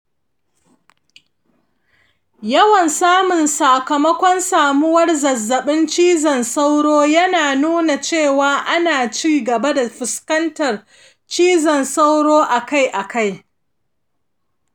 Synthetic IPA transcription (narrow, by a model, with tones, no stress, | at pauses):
jɐ˦wɐ˨nsaː˦mʊ˨nsaː˨kɐ˨mɐ˦kʷɔ˦nsaː˨mʊ˦wɐ˦rzɐ˨zːɐ˨ɓɪ˦nt͡ʃiː˦zɐ˨nsa˦wɽoː˦jɐ˦naː˨nuː˦na˨t͡ʃeː˦˨waː˨ʔa˦naː˨t͡ʃiː˦ɡɐ˨ba˦da˨ɸɪ˨skɐ˦ntɐ˨r | t͡ʃiː˦zɐ˨nsa˦wɽoː˦ʔa˨ka˦jʔa˨ka˦j